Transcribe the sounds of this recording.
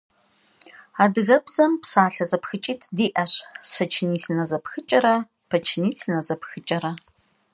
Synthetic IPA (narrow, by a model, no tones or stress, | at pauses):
aːdɣɐbzɐmpsaːɬɐzɐpxɨt͡ʃʼiːtʰdiːʔɐɕsɐt͡ʃʰniːɬɨnɐzɐpxɨt͡ʃʼɐɾɐ | pʰɐt͡ʃʰniːsɨnɐzɐpxɨt͡ʃʼɐɾɐ